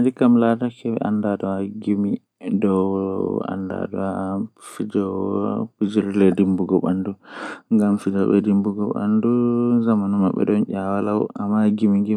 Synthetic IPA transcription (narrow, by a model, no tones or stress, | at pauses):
dikamlatakɛɛ̰ʔandadɔwaɡimi | dɔ | a̰nda̰dɔwafid͡ʒɔpud͡ʒiɾilɛdimbuɡɔɓanduŋɡamfid͡ʒɔɓɛ̰dimbuɡɔɓa̰nduzamanɔmaɓːɛ̰ɗɔnʔawalawamaɡimiŋɡi